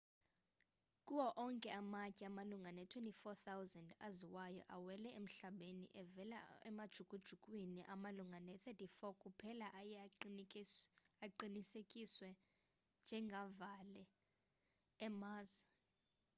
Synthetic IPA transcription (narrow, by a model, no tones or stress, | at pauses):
kʼuwɔʔɔŋkʼɛamacʼɛamaluŋɡʱanɛtʰwentʼifɔθawzandaziwajɔ̰ʔawɛlɛʔem̩ɬaɓenḭʔɛvɛla̰ɛ̰mad̥ʒ̥ʱukʼud̥ʒ̥ʱukʼwiniʔamaluŋɡʱanɛθʰɛtʰʼifɔkʼupʰɛlaʔaj | aǃinisekʼiswɛ | nd͡ʒʱɛŋɡʱavalɛ | maːza